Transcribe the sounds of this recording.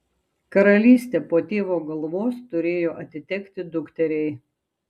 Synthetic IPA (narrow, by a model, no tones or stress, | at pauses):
kɐɾɐlʲiːsʲt̪ʲeːpoːt̪ʲeːʋoːɡɐlˠʋoːst̪ʊɾʲeːjoːʔɐt̪ʲɪt̪ʲɛkʲt̪ʲɪd̪ʊkt̪ʲɛɾʲɛɪ